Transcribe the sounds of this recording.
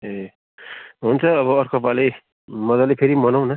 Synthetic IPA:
e | ɦunt͡sʰʌːβʌːrkʰʌpale | mʌdʌlepʰeɾimʌnaw̃nʌ

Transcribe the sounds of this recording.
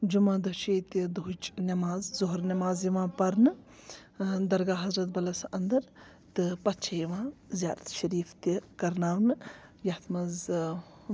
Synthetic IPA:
d͡ʒumãːd̪ɐt͡ʃʰeːt̪id̪uɦt͡ʃnʲɐmaːzzoɦɾnɐmaːzjiʋãːpɐɾnɨ | d̪ɐɾɡaːɦɐzɾɐt̪̚bɐlɐsɐnd̪ɐɾ | t̪ɨpɐtt͡ʃʰɐjiʋãːzʲja̰ːd̪ɐt̪ʃɐɾiːft̪ikɐɾnaːɾnɨjɐt̪ʰmɐz

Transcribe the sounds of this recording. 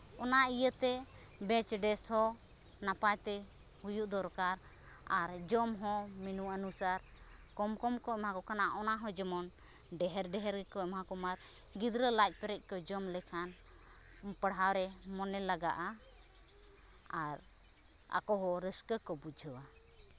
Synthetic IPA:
ɔnaʔijət̪ɛ | bɛt͡ʃɖɛshɔ | napajt̪ɛ | hujuʔd̪ɔɾkaɾ | aɾd͡ʒɔmɦɔ̃minuanusaɾ | kɔmkɔmkɔɛmɦãkɔkanaʔʔɔnaɦɔ̃d͡ʒəmɔn | ɖɛɦɛɾɖɛɦɛɾɡɛkɔɛmɦakɔmaɾ | ɡid̪ɾəlajc̪̚ˀpɛɾɛc̚ˀkɔd͡ʒɔmlɛkʰan | pəɽawɾɛmɔnɛlaɡaʔa | aɾ | a̰kɔɦɔɾəskəkɔbud͡ʒʱəwa

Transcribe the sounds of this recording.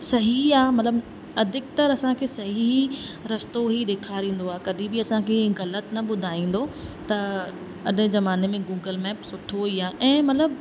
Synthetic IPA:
sɐɦiaːmɐt̪ləb | ɐd̪ʱɪk̚t̪ɐɾɐsãkʰeːsɐɦiiɾɐst̪oɦiɗeːkʰaːɾĩːn̆d̪oaːɦkɐɗĩbɪɐsãkʰeːɣɐlət̪nɐɓʊd̪ʱaːĩːn̆d̪ot̪ɐ | ɐɗɪ̃zɐmaːnemẽɡuːɡəlmɛːpsʊʈʰoɦuiaːʔɛ̃ːmɐt̪ləb

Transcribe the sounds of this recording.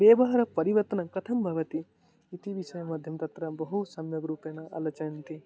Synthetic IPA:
ʋeːʋɐɦɐɾɐpɐɾiʋɐɾt̪ɐnɐkɐt̪ʰɐmbʱɐʋɐt̪i | it̪iʋiʃɐjɐmɐd̪ʱjɐmt̪ɐt̪ɾɐbɐɦusɐmjɐɡɾuːpjenɐʔɐ̰lɐt͡ʃɐjɐnt̪i

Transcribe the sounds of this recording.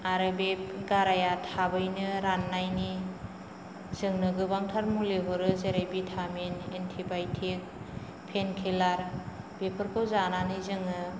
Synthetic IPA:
aɾɯbep̚ɡaɾajatʰabɯjnɯɾanːajni | zɯŋnɯɡɯbaŋtʰaɾmuleɦɔɾɯzeɾajbitʰamenentʰibajtʰik̚ | pʰenkʰelaɾ | bepʰɯɾkʰɯwzananɯjzɯŋnɯ

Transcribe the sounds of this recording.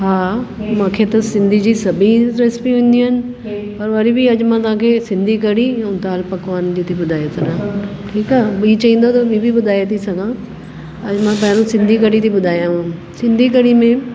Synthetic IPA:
ɦaːmãːkʰet̪ɐsɪ̃nd̪ʱid͡ʑiːsɐbʱiɾɪspiʊ̃ːn̆d̪iɦənɪ̆ | pɐɾʋɐɾibiɐd͡ʑmãt̪ɐʋ̤ãkʰeːsɪ̃nd̪ʱik̬ɐɽĩʊ̃t̪aːlpɐkʋaːnd͡ʑiːt̪ʰiɓʊd̪ʱaːjet̪ʰɐnãːʈʰiːkaːbit͡ɕɐĩːn̆d̪ot̪ɐbibʱibʊd̪ʱaːjet̪ʰisɐɡʱã | ɐd͡ʑmãpɐ̃ɦɪɾũsɪ̃nd̪ʱik̬ɐɽit̪ʰiɓʊd̪ʱaːjãɦã | sɪ̃nd̪ʱikɐɽimẽ

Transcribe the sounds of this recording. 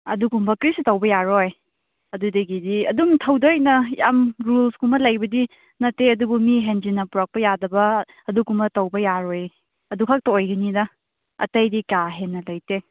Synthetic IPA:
ɐ̰duɡumbɐkɾistɐwbɐjaɾoj | ɐdudɐɡidiɐdumtʰɐwdojnɐjamɾulskumɐlɐjbɐdi | nɐtːeɐdubumiɦend͡ʒinɐpuɾak̚pɐjadɐbɐ | ɐduɡumbɐtɐwbɐjaɾoj | ɐdukʰak̚tɐojɡɐnidɐ | ɐ̰tɐjdikaɦenːɐlɐjte

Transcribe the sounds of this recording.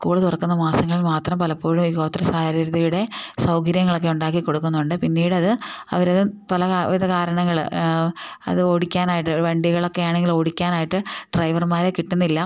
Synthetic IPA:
skuːɭɐt̪urɐkːunːɐmaːsɐŋːɐɭilmaːt̪rɐmpɐlɐpːo̞ːɻumiːko̞ːt̪ːrɐsaːɾɐɾɐðɐjuɽe̞sɐwkɐɾjɐŋːɐɭo̞kːe̞uɳɖaːk̬ːikːo̞ɽukːunːuɳɖɨpinːiːɽɐðɨɐ̰ʋɐɾɐðɨpɐlɐkaʋiðɐkaːɾɐɳɐŋːɐɭ | ɐ̰ðɨo̞ːɽikʲːaːnaːjiʈːɨʋɐɳɖiɣɐɭo̞kːe̞jaːɳe̞ŋɡilo̞ːɽikʲːaːnaːjiʈːɨɖrɐjʋɐrmaːɾekiʈːunːilːɐ

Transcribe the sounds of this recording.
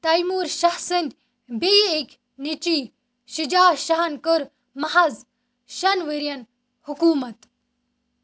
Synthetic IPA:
t̪ɐjmuːɾʃɐhsɨnd̪ʲ | bejekʲ | nit͡ʃi | ʃid͡ʒaːʃɐɦɐnkəɾ | mɐɦɐz | ʃɐnʋiɾjɐn | hukuːmɐt̪

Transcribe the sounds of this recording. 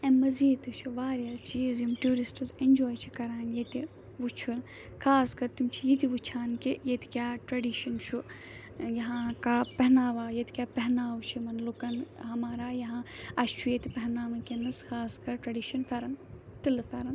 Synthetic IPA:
ẽmɐziːt̪ɨt͡ʃʰuʋaːɾjaːt͡ʃizjumʈuːɾisʈɐzenʲd͡ʒoːjt͡ʃʰi̥kɐɾaːnjet̪i | ʋut͡ʃʰun | kʰaːskɐɾt̪imt͡ʃʰijit̪̬iʋut͡ʃʰaːnkijet̪i̥kʲjaːʈɾɐɖiːʃɐnt͡ʃʰu | jɐɦãːkaːpɛɦnaːʋaːjet̪i̥kʲjaːpɛɦnaːwt͡ʃʰimɐnlukɐnɦɐmaːɾaːjɐɦãɐt͡ʃʰujet̪ipɐɦnaːʋɐkenɐskʰaːskɐɾʈɾɐɖiːʃɐnfʰɐɾɐn | t̪ilɨfʰɐɾɐn

